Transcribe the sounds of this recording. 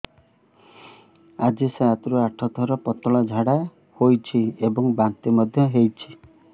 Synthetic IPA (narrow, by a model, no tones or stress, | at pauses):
ad͡ʒiseat̪ɾuaʈʰɔt̪ʰɔɾɔpɔt̪ɔɭɔd͡ʒʱaɽa | hojt͡ʃʰiebɔŋbant̪imɔd̪ʱjɔɦejt͡ʃʰi̥